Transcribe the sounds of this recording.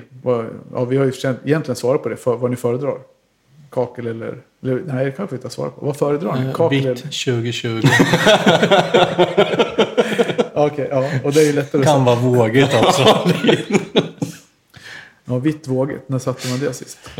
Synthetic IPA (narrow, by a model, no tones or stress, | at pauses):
vaɑ̰ːvɪhaɾjʏɪfə̥ʂɛnt̪ɛjɛnt̪lɪɡənsvɑːɾat̪̚pʰɔd̪ɛfœvaɳɪfœːɾəd̪ɾɑ̰ːɾ | kʰɑːkəlɛlːə̰ɾ | ɛlːənæɪd̪ɛkʰanɧəvɪɑːsvɑ̰ːɾapʰɔ̰vafœːɾəd̪ɾɑːɳɪkʰɑːk̪ɛʃʉ̟ːɡɪɕʉ̟ːɡʊ | ɑɔkʰɛʔɑːɔd̪ɛæɾjəlɛt̪ːaɾkʰanvɑːvoːɡɪt̪alsɔ | ɑːvɪt̪ːvoːɡə̰t̪næsat̪ʰːəmand̪ḛːlsɪ̰st̪